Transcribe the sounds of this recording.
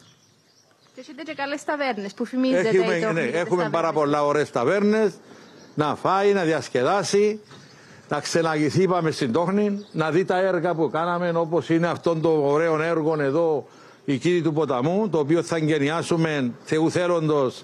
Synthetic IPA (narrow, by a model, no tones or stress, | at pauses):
et̪eekɐlest̪ɐveɾnespufimizeeneexume̞mpɐɾɐpo̞lːaoɾeest̪ɐve̞ɾne̞snɐfainɐðiɐsce̞ðasi | nɐkse̞nɐɣiθipɐme̞st̪ind̪o̞xninːɐðit̪ɐe̞ɾɣɐp̬ukanɐme̞no̞po̞sineɐft̪o̞nt̪o̞ːɾe̞one̞ɾɣo̞ne̞ðo̞ | icinit̪upo̞t̪ɐmut̪oːp̬ioθɐeɲɟe̞niasume̞nθe̞uθe̞lo̞nd̪o̞s